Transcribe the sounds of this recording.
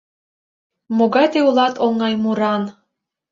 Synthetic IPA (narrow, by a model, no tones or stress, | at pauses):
moɡɑjt̪eulˠɑt̪ʰoŋːɑjmuɾɑn